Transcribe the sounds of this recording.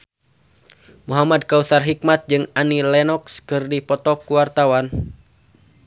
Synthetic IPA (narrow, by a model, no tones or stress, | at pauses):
muɦamad̚kaut̪arɦik̚mat̪̚d͡ʒɨŋanilɛnɔkskɨrdipɔt̪ɔkuwart̪awan